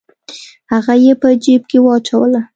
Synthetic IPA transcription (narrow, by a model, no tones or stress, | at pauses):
haɣajepəd͡ʒeb̚kewɑt͡ʃawəla